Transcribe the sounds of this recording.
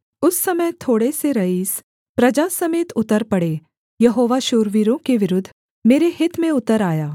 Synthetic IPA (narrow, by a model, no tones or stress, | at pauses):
ʊsːɐməjt̪ʰoːɽeseɾɐɦiːs | pɾɐd͡ʒasɐmeːt̪ʊt̪əɾpɐɽeː | jɐɦoːʋaʃoːɾʋiɾõkeʋɪɾʊd̪ʱː | meːɾehɪt̪mẽʊt̪əɾaːjaː